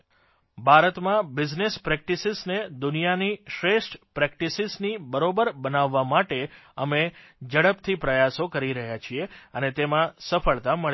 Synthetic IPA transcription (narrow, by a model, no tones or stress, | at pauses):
bʱaɾət̪mãbɪd͡ʒnespɾɛk̚ʈisɪzned̪ʊnijaniʃɾeʃʈpɾɛk̚ʈisiznibəɾobəɾbənaʋːamaʈeəmed͡ʒəɽəpt̪ʰipɾəjasokəɾiɾəɦjat͡ʃʰieənet̪emãsəfəɭt̪aməɭ